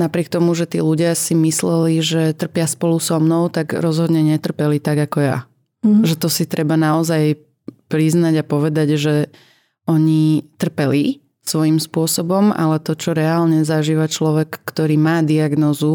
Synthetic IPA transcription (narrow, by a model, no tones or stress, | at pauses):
napɾɪɛk̚t̪ɔmuʒɛt̪ḭːluɟɪasimislɛliʒɛt̪r̩pɪaspɔlusɔmnɔʊt̪aɡɾɔzɦɔd̪ɲɛɲɛt̪r̩pɛlit̪aɡakɔja̰ | ʒɛt̪ɔsit̪ɾʔɛbanaɔzaj | pɾiznaɟapɔʋɛd̪aɟʒɛ | ɔɲit̪r̩pɛli | sʋɔjimspʊɔsɔbɔma̰lɛt̪ɔt͡ʃɔɾɛaːlɲɛzaʒiːʋat͡ʃlɔʋɛkːt̪ɔɾiːmaːd̪iaɡnɔːzu